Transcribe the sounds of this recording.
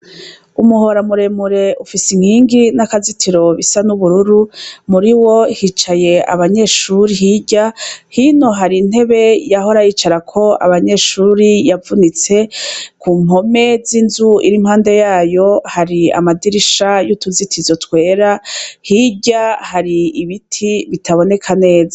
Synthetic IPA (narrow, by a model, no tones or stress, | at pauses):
umuɦo̞ɾamuɾe̞muɾe̞ʔufisiŋ̥hiːŋɡinakazitʰiɾo̞βisanuβuɾuɾumuɾiwohit͡ʃaje̞a̰βaɲe̞ʃuɾiɦiɟahino̞ɦaɾin̥he̞βe̞jaɦo̞ɾajiːt͡ʃaɾakʰo̞a̰βaɲe̞ʃuɾijavunit͡se̞kʰuːmo̞me̞zinzuḭɾimhaːnde̞jaːjo̞haɾia̰madiɾiʃajutuzitʰizo̞tkwe̞ːɾahiɟahaɾiiβitʰiβitʰaβo̞ne̞kʰane̞ːza